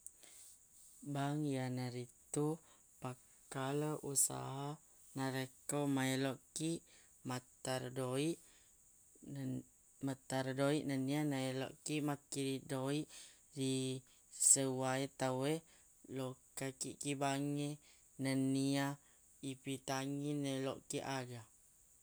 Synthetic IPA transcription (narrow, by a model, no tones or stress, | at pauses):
baŋjanaɾit̪u | pa | kaləʔusa̰ɦa | naɾəkomaeloʔkiʔ | mat̪aɾdoiʔ | mat̪aɾdoiʔnənianaelo̰ʔkiʔmakːiɾidoiʔdi | səwaet̪awe | lokakiʔkibaŋe | nənia | ipit̪aŋinalo̰ʔkiʔaɡa